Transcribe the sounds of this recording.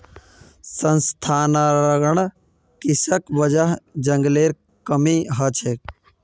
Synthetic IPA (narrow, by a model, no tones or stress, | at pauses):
sənst̪ʰaːnaɾəɡəɳ | kisəkbəd͡ʒəɦd͡ʒəŋɡleːɾ | kəmiɦət͡ʃʰek